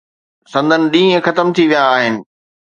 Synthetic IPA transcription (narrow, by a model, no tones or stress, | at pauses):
sɐ̃nd̪ʱənɪ̆ɗĩːə̃xɐt̪əmt̪ʰiʋijaːɦɪnɪ̆